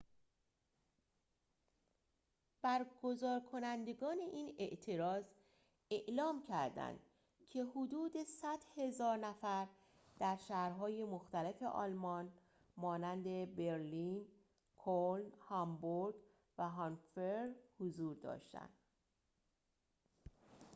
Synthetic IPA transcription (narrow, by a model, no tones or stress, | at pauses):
b̥æɾɡozɒːɾkʰo̞nænd̪e̞ɡɒːne̞ʔiːne̞ʔt̪ʰe̞ɾɒːz | e̞ʔlɒːmcʰæɾd̪æ̰nd̪̥ | cʰe̞hod̪uːd̪e̞sæd̪̥he̞zɒːɾnæfæɾ | d̪̥æɾʃæhɾɦɒːje̞moxt̪æle̞fe̞̰ʔɒ̰ːlmɒn | mɒːnænd̪e̞beɾliːn | kʰolnhɒmboɾɡ | væɦɒnfeɾhozuːɾd̪ɒ̰ːʃt̪æ̰nd̪̥